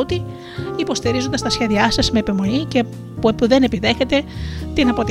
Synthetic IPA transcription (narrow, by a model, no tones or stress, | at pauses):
ot̪i | ipo̞st̪iɾizond̪ɐst̪ɐsçe̞ðiɐsɐzme̞eːpimo̞lice | pueuðe̞ne̞piðe̞çe̞t̪e̞t̪inɐpo̞t̪